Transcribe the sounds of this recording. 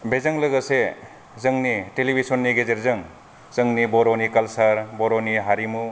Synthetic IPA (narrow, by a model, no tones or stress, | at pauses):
bezɐŋlɐɡɐse | zɐŋnitelibʱisɔnːiɡezeɾzɯŋ | zɯŋnibɔɾonikɐlsɐɾbɔɾoniɦaɾimu